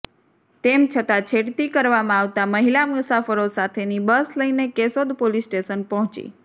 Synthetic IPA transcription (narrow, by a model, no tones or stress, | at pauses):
t̪emt͡ʃʰət̪at͡ʃʰeɽt̪ikəɾʋamãaʋt̪aməɦilamusafəɾosat̪ʰenibəsləinekesod̪polisʈeʃənpɔɦɔ̃t͡ʃḭ